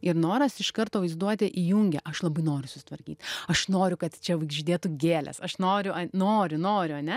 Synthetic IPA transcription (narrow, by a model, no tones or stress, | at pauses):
ɪɾnoːɾɐsɪʃkɐrt̪oːʋɐɪzd̪uɔt̪ʲɪʔijuŋʲɡʲɛʔɐʃlˠɐbɐɪnoːɾʲʊsʊsʲɪ̥t̪ʋɐɾʲkʲiːt̪ɐʃnoːɾʲʊkɐt̪t͡ʃʲɛʋɐɪɡʒʲɪd̪ʲeːt̪uɡʲeːlʲɛ̰sɐʃnoːɾʲʊʔɐnoːɾʲʊnoːɾʲʊɐnʲɛ